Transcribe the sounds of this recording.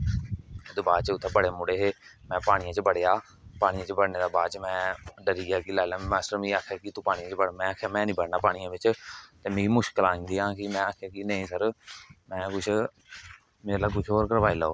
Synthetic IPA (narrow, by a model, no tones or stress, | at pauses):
d̪ebaːt͡ʃʊt̪ʰːeːbəɽeːmʊɽeːɦeːmɛ̃ːpaːɽ̃ɪjãːt͡ʃəbəɽejaː | paːɽɪjãːt͡ʃəbəɽneːd̪aːbaːt͡ʃmɛ̃ːɖəɾiːaːkiːlaːɪlaːmɛ̃ːsəɾm̃ːaːkʰjaːkit̪ũːpaːɽɪ̃jãːt͡ʃbəɽmɛ̃ːəkʰjaːmɛ̃ːnĩːbəɽnaːpaːɽɪjãːʋɪt͡ʃt̪eːmẽːiːmʊʃkəlaːɪ̃ːnd̪iːãːkɪmɛ̃ːaːkʰjaːkinəĩːsəɾmɛ̃ːkʊt͡ʃʰ | meːlaːkʊt͡ʃʰɦoːɾkəɾʋaːiːlaːoː